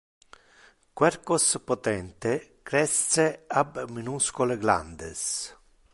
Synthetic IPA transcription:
kwɛɾkospot̪ɛnt̪ekɾɛsseabminuskoleɡla̰nd̪ḛs

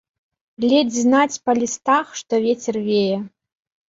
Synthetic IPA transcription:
lʲed͡zʲznat͡sʲpɐlʲist̪axʂt̪ɔvʲet͡sʲɛrvʲejɛ

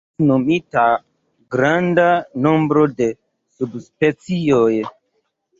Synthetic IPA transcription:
nomita | ɡɾandanõmbɾode̞ | subspet͡sioj

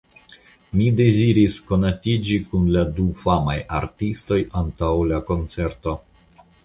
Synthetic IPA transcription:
mide̞ziɾisko̞natid͡ʒikunladufamaja̰ɾtisto̞jantawlako̞nt͡se̞ɾto̞

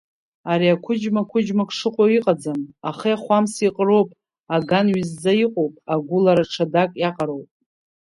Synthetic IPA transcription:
aɾiakʷʰʊd͡ʒmakʷʰʊd͡ʒmakʷʼʂɨqʷʼoiqʼad͡zamaχijaχʷamsiqʼro̞wpʼ | aɡanɥizːaiqʼowpʼaɡʷʊlaɾaʈ͡ʂʰadakʼjaqʼaɾowpʼ

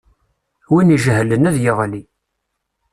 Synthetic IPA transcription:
winiʒhlənæðjəʁli

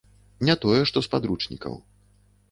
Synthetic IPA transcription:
nʲat̪ɔjɛʂt̪ɔspad̪ɾut͡ʂnʲḭkɐ̰w

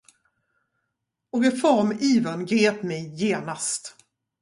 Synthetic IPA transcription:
ɔɡɪfɔɾmiːvənɡɾeːpmɛjːeːnast̪

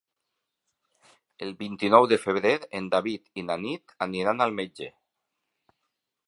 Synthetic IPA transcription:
elˠβint̪inɔwðəfeβɾeɾend̪aβit̪inanit̪aniɾanalˠmed͡ʒe

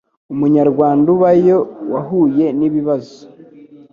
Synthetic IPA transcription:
umuɲaɾɡwaːnduβajo̞waɦuje̞niβiβazo̥

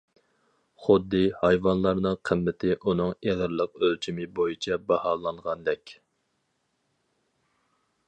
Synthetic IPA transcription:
χʊd̪ːɨhɑjvɑnlˠɑɾnɨŋqʰəmːɪt̪ʰɪʔunɨŋeʁəɾlˠəq̚ølt͡ʃʰimɪbojit͡ʃʰɛbɑhɑːlˠɑɴʁɑnd̪ɛkʲ

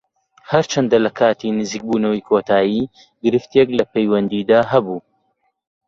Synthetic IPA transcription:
hɐɾt͡ʃʰɐnd̪ɐlɐkʰaːt̪ʰinɨziːk̚buːnɐwijkʰoːt̪ʰaːjiː | ɡɨɾɨft̪eklɐpejwɐnd̪iːd̪aːɦɐbuː

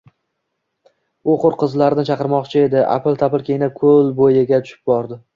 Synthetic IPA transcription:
ʊqʊɾqɨzlaɾɪnɪt͡ʃʰɑqɨɾmɒqt͡ʃʰɪe̞d̪ɪʔa̰plˠt̪ʰapɪlˠkʲʰejnakʰolbojɪɡʲat̪ʰʊ̥ʃɪ̥p̚bɒɾd̪ɪ

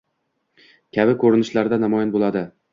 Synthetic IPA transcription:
kʲʰabɪkʰɵɾɪnɪʃlaɾd̪anamɒjɪnbolˠad̪ɪ

